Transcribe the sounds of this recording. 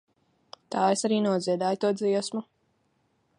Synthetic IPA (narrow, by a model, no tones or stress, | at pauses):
t̪aːesaɾiːnuɔziɛd̪aːjt̪uɔd̪ziɛsmu